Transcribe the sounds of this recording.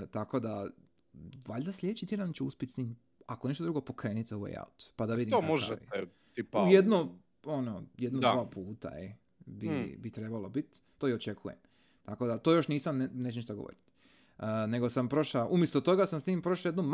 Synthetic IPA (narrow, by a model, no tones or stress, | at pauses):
t̪ako̞d̪a | ʋaʎʲd̪aslʲed̪et͡ʃit̪ʰʲje̞d̪anit͡ʃuuspʲjet̪siːm | akoneʃt̪od̪ɾuɡo̞po̞kɾe̞ːnit̪zoʋḛja̰ut̪pad̪aʋid̪iomoʒɛḭ | iujed̪no | onojed̪nod̪ʋaːpʰuːt̪a̰e | bibit̪ɾe̞balobit̪ | t̪oiot͡ʃe̞kʰujḛm | t̪ako̞d̪at̪ojo̞ʃniːsamnenet͡ʃeniʃt̪aɡoʋo̰ɾit̪ː | ne̞ɡo̞sampɾo̞ʃaʔumjest̪ot̪o̞ɡasamsniːmpɾoʃajed̪num